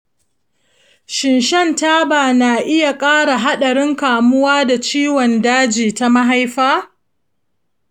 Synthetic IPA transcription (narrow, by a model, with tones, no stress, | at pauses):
ʃɪ˨nʃɛ˦nta˦baː˨naː˨ʔɪ˦ja˨kʼaː˦ɽa˨ɦa˦ɗɐ˨ɽɪ˦ŋkaː˨mʊ˦waː˦da˨t͡ʃiː˦wɔ˨ndaː˦d͡ʒiː˨ta˦ma˦ɦa˦jɸaː˦